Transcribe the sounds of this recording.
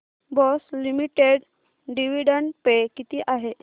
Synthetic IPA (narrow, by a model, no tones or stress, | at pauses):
bɔslimiʈeɽ | ɖiʋiɽəɳpekit̪iːʔaɦe